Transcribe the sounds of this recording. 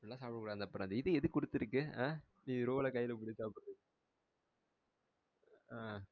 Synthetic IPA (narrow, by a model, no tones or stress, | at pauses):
ɽlːãːsaːpɽɯkːuːɽaːnd̪ɐpːɐɾand̪ɐɪðɯɛðɯkʊɽɯt̪ːɪɾɯkːɯãː | niːɾoːɐlɐkɐjːɪlɐpʊɽisaːpɯɾɐðɯ | aː